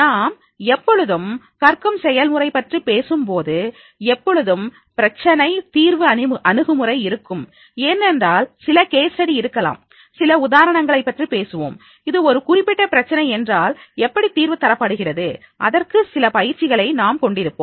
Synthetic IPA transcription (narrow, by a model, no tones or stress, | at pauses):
naːm | ɛpːɔɻɯðɯm | kɐrkɯmsɛjɐlmɯrɐɪpːɐʈripeːsɯmpoːðɯ | ɛpːɔɻɯðɯm | pɪɾɐt͡ʃːɐnɐɪt̪iːɾʋɯɐnʔɐnɯɣɯmɯrɐɪɪɾɯkːɯm | eːnːɛndraːlsɪlɐkeːsɐɽiɪɾɯkːɐla̰ːm | sɪlɐʊðaːɾɐɳɐŋɡɐɭɐɪpːɐʈripeːsɯʋo̰ːm | ɪðɯɔɾɯkʊrɪpːɪʈːɐpɪɾɐt͡ʃːɐnɐɪɛndraːlɛpːɐɽit̪ːiːɾʋɯt̪ːɐɾɐpːɐɽɯɣɪrɐðɯ | ʔɐðɐrkɯsɪlɐpɐjɪɾt͡ʃːɪɣɐɭɐɪnaːmkɔɳɖɪɾɯpːo̰ːm